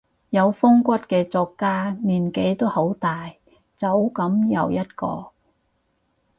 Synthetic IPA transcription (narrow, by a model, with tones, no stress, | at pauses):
jɐ˨˧wfʊ˥ŋkʷɐ˥t̚kɛː˧t͡sɔː˧kːaː˥niː˨˩nke˨˥jt̪o˥who˨˥wt̪aː˨j | t͡sɐ˨˥wkɐ˨˥mjɐ˨˧wjɐ˥t̚kɔ̰ː˧